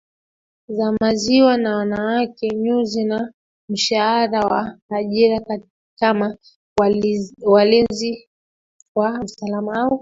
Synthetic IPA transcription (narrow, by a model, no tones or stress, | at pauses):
zamaziwanawanawakɛɲuzina | m̩ʃahaɾawaːʄiɾak | kama | walinzi | kwausalamaaɔ